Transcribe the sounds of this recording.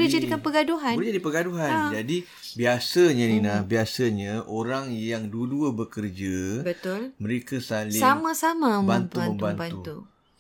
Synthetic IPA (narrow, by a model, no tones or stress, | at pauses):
did͡ʒadikanpəɡaduɦand͡ʒadipəɡaduɦand͡ʒadi | biasaɲãninãbiasaɲãʔoɾaŋjaŋduəduəbəkərd͡ʒabət̪ʊlmə̃ɾekasalssamãsamãmbant̪uməmbanbanut̪u